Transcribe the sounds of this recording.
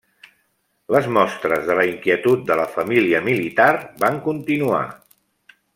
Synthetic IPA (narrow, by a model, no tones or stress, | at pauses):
ləzmɔst̪ɾəzðələiŋkiət̪ut̪̚d̪ələfəmiliəmilit̪arbaŋkunt̪inua̰